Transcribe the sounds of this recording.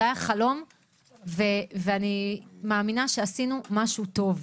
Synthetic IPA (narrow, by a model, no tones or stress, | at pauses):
ajaχalo̞m | veveanimaːminaʃeasinumaʃuto̞v